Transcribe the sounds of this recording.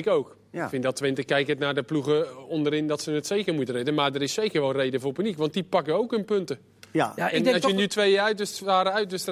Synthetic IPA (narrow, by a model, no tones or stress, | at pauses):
ɪkowk | fɪndɑtʋɪntəkɛjkətnaːrdəpluχəɔndəɾɪndɑtsənətsejkərmutərɛdəmaːrdəɾɪsːejkərʋɛlˠrejdəvʊːɹpynikʋɑnt̚dipɑkəowkɦɵnpɵntə | ɛɔsjənytʋejəœɥtɪsaːɾəœɥtʋɪstr